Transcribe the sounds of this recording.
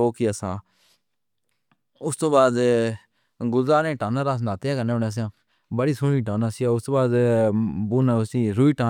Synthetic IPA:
oːkiasã̰ː | ʊst̪õːbaːd̪ | ɡʊzaːnẽːʈãːnaːɾaːsnaːt̪eːaːkəneːoneəs̬ãː | bəɽiːsʊɽiːʈãːnaːsiaːʊst̪õːbaːd̪ | buːnaʊsĩːɾuiːʈãː

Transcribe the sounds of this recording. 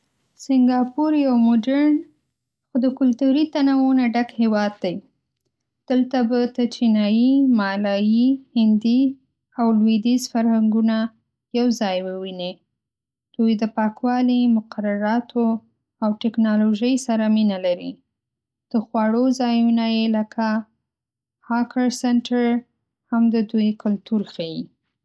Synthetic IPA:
sɪŋɡɑpuɾjawmoɖaɾn | xod̪əkʊlt̪uɾit̪anawonaɖakhewɑd̪̚ːaj | d̪̥əlt̪abat̪at͡ʃinɑjimɑlɑjihɪnd̪i | awlwed̪izfaɾhaŋɡuna | jawzɑjwəwine | d̪̥ujd̪əpɑkwɑlimʊqaɾaɾɑt̪ʰo | awʈɪknɑloʒəjsaɾaminalaɾḭ | d̪̥əxwɑɽozɑjunajeləkʰa | hɑkəɾsɛnʈaɾ | hamd̪əd̪ujkʊlt̪uɾxaji

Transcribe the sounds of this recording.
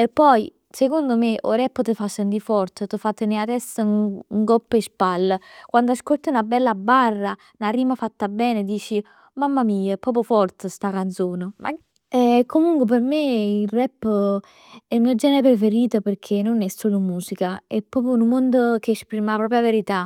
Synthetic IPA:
epːɔj | sekond̪omeʔo̰ɾɛpːt̪əfasːent̪ifɔrt̪t̪əfat̪ːenead̪ɛst̪əuŋɡɔpːespalːkwand̪oaskolt̪iunabɛlːabarːa | nariːmafat̪ːabɛːned̪iːt͡ʃi | mamːamiːapːɔːp̬ofɔrt̪əst̪akant̪soːnəma̰ | ɛkːomuŋkwep̬ermeilrɛpː | ɛilmiːod͡ʒɛːneɾepɾefeɾiːt̪operkʰenonɛsːoːlomuːsikaɛpːɾɔːpjonumːond̪ok̟eːspɾiːmaapɾɔːp̬ɾjaveɾit̪a

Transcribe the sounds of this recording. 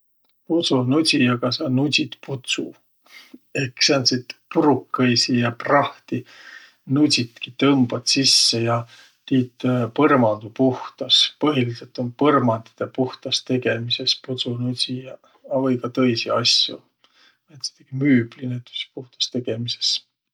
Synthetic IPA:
put̪sunusʲijɑkɑsɑnusʲit̪put̪su | e̞ksɑnsit̪puɾukːejsijɑprɑht̪i | nusʲit̪kit̪ɤmb̥ɑt̪sisːe̞jɑ | t̪iːt̪pɤrmɑnd̪̥upuht̪ɑspɤɦilise̞lt̪ˑo̞npɤrmɑnd̪i̥d̪̥epuht̪ɑst̪e̞ɡe̞mise̞sput̪sunusʲijɑ | ɑvɤjkɑt̪ɤjsiɑ̰sjṵ | et̪se̥t̪eɡ̥imyːb̥linet̪ːˑy̥si̥puht̪ɑ̥st̪e̞ɡ̥e̞mise̞̥s

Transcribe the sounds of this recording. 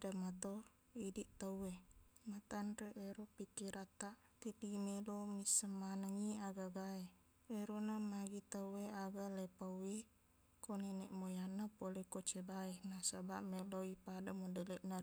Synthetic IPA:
damat̪o | idiʔt̪awemat̪anreʔɛɾopikiɾʔat̪aʔ | t̪ipimelomisəmanaŋiaɡaɡae | eɾonamaɡit̪aweaɡalepawwi | konenɛʔmojanːapolekot͡ʃebaenasabamɛloipadamodɛlɛʔna

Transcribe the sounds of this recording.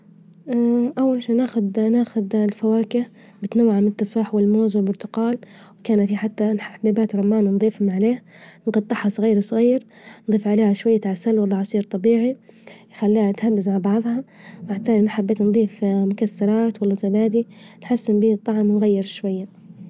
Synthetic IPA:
ʔaʔawːalʃiːnaːxʊd̪naːxʊd̪lfawaːkɪh | bɪt̪nawːaʕamɪnɪt̪ˤːʊfaːħwɪlmoːzwɪlbʊɾt̪ʊqɑːlwɪkaːnafiħat̪ːanħaabːaːbaːt̪ɾˤɑmːaːnnd̪ˤiːfhʊmʕaleːha | nɡɑt̪ˤːɪħhɑsˤɣiːɾsˤɣiːɾ | nd̪ˤiːfʕaleːhaʃwajːat̪ʕasalwalːɑʕɑsˤiːɾt̪ˤɑbiːʕijxalːiːhat̪habːɪzmaʕbɑʕðˤhɑ | maʕt̪aːlinħabːeːt̪nd̪ˤiːfmʊkasːɑɾˤɑːt̪walːazabaːd̪inħasːɪnbiːt̪ˤːɑʕmwnɣajːɪɾʃwajːa

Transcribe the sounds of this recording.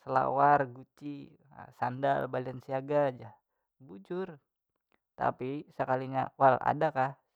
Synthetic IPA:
səla̰warɡut͡ʃḭ | sandalbaliansiaɡad͡ʒah | bud͡ʒʊr | t̪a̰pisəkaliɲawala̰dakah

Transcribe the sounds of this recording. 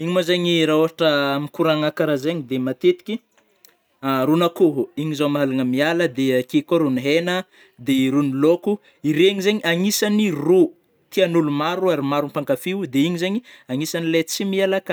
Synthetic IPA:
iɲimozeɲiɾaoɦaʈ͡ʂəmikuɾaŋakaɾazeɲid̪emat̪et̪i̥kʲi | ɾunakoɦuiɲizamaalaŋəmialəd̪ekekaɾuniɦenə | d̪eiɾuniloku | iɾeɲizeɲiʔaŋisaniru | t̪ianulumaɾuaɾimaɾumpaŋkafiud̪eiɲizeɲiaŋisanilet͡simialakə

